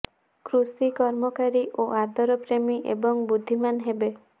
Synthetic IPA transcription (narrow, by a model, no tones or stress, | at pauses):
kɾusikɔɾmɔkaɾiʔoʔad̪ʱɔɾɔpɾemiʔḛbɔŋbud̪ʱːimanɦebe